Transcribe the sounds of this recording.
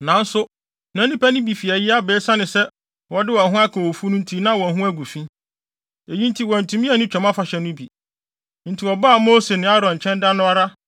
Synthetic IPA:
nã˨˦n̩˦sʊ˦ | næ̃˦nĩ˦pæ˦nɪ̃˦bi˨fi˨ɛ˨jɪ˦a˦beː˨˦sa˦nɪ̃˨sɛ˦ | wɔ˨dɪ˦wɔ˨ɦʊ̃˦a˦kʰã˨wo˨fu˦nʊ̃˦n˦tʰi˦nã˦˨wɔ˨ɦũ˦æ˦ɡu˨fĩ˦ | e˨jĩ˦n˦tʰi˦wɔ̃˨n̩˨tʰũ˨mĩ˦ɛ˨nɪ̃˦t͡ɕᶣɛ̃˨mã˦fa˨ɕɛ˨nʊ̃˦bi˨ | n̩˨tʰi˨ɔ˨baː˦˨moː˦se˨nɪ̃˦a˦ɾɔ̃˨ɲ˨t͡ɕʰɛ̃˦nda˦nʊ̃˦a˦ɾa˦

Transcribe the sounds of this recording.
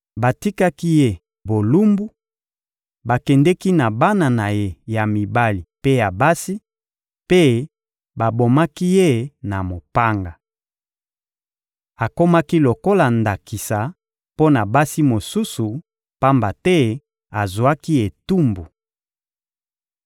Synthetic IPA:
ba˨ti˦ka˦ki˦je˦ | bo˨lu˦mbu˦ | ba˨kɛ˨ndɛ˦ki˦na˨ba˦na˨na˨je˦ja˨mi˨ba˦li˨pe˦ja˨ba˦si˦ | pe˦ | ba˨bo˨ma˦ki˦je˦na˨mo˨pa˦ŋɡa˨ | a˨ko˦ma˦ki˦lo˨ko˦la˨nda˨ki˨sa˨ | po˦na˨ba˦si˦mo˨su˦su˨ | pa˦mba˨tɛ˦ | a˨zwa˦ki˦e˨tu˦mbu˨

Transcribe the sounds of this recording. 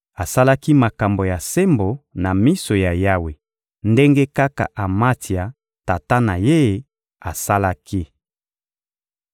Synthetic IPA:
a˨sa˦la˦ki˦ma˨ka˨mbo˨ja˨se˦mbo˨na˨mi˦so˨ja˨ja˦we˨ | nde˦ŋɡe˦ka˦ka̰˨ʔa˨ma˦ti˨a˨ | ta˨ta˦na˨je˦˨˦ | a˨sa˦la˦ki˦

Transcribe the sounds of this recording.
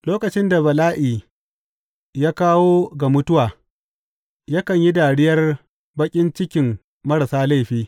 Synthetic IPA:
loː˦kɐ˨t͡ʃɪ˦nda˨bɐ˨laː˦ʔiː˨ | jaː˦kaː˦woː˦ɡa˨mʊ˦tʊ˦waː˨ | ja˦kɐ˨ɲji˦daː˨ɽɪ˦jɐ˦r | bɐ˦kʲʼɪ˦nt͡ʃɪ˦kʲɪ˨m | mɐ˦ɽa˨saː˦la˦˨ɸiː˦

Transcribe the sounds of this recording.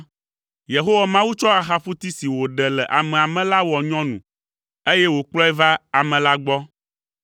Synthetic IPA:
je˨ɦo˦wa˨mã˦wu˦t͡ʃɔ˦a˨xa˦ɸu˦t̪i˦si˨wo˨ɖɛ˨lɛ˨ʔa˨mɛ̃˨a˨mɛ̃˨la˦wɔ˨ɲɔ̃˦nṵ̃˨ | e˦jɛ˦wo˨k͡plɔ˦ɛ˦va˦a˨mɛ̃˨la˦ɡ͡bɔ˦

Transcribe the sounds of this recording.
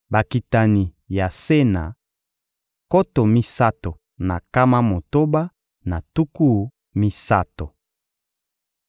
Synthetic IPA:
ba˨ki˨ta˨ni˨ | ja˨se˦na̰˨ | ko˦to˨mi˦sa˦to˨ | na̰˨ka˦ma˦mo˨to˦ba˦ | na˨tu˦ku˦ | mi˦sa˦to˨

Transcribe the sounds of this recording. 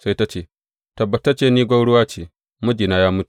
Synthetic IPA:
sa˦jta˦t͡ʃeː˦˨ | tɐ˨bːɐ˨ta˦t͡ʃeː˦˨niː˦ɡʷa˦wɽʊ˦waː˦t͡ʃeː˨ | mʊ˦d͡ʒi˨naː˦jaː˦mʊ˦tu̥˨

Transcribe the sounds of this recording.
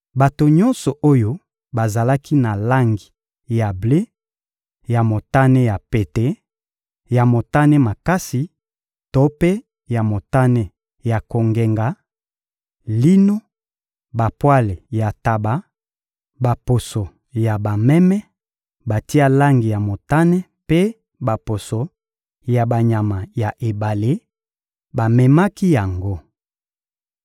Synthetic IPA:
ba˨to˨ɲɔ̃˦nsɔ˨ʔo˦jo˦ | ba˨za˨la˦kʰi˦na˨la˦ŋɡi˨ | ja˨ble˦ | ja˨mo˨ta˦ne˦ja˨pe˨te˦ | ja˨mo˨ta˦ne˦ma˨ka˦si˨ | to˦pe˦ | ja˨mo˨ta˦ne˦ | ja˨ko˨ŋɡe˨ŋɡa˨ | li˦no˦ | ba˨pwa˦le˨ja˨ta˨ba˨˦ | ba˨po˨so˨ | ja˨ba˨mɛ˦mɛ˦ | ba˨ti˦a˦la˦ŋɡi˨ja˨mo˨ta˦nɛ˦ | pe˦ | ba˨po˨so˨ | ja˨ba˨ɲa˨ma˨ja˨ʔe˨ba˨le˦ | ba˨mɛ˨ma˦ki˦ja˨ŋɡo˦

